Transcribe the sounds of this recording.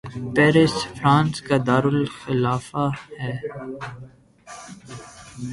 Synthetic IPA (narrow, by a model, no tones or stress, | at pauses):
pɛːɾɪsfɾãːnskad̪aːɾʊlxɪlaːfahɛː